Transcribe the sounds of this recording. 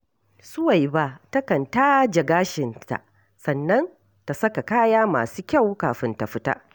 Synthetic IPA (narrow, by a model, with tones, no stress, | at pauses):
sʊ˦wa˨jba˦ʔtɐ˦kɐ˨ntaː˦d͡ʒɐ˨ɡaː˦ʃɪ˨nta̰˨ʔ | sɐ˨nːɐ˦n | ta˨sɐ˦ka˨kaː˦jaː˦ma̰ː˨suː˦kʲa˦˨wkaː˨ɸɪ˦nta˨ɸɪ˦ta̰˦ʔ